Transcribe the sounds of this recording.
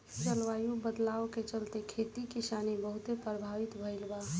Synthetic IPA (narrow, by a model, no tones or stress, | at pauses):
t͡ʃəlʋaːjubəd̪laːoket͡ʃəlt̪ekʰet̪ikisaːnibəɦʊt̪epɾəbʱaːʋɪt̪bʱəɪlba